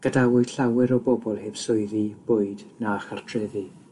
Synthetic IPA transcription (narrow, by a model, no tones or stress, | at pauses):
ɡ̥ədawʊɨdɬawɪɾɔbɔbɔlˠhɪːb̥sʊɨðib̥ʊɨdnaχartʰrɪði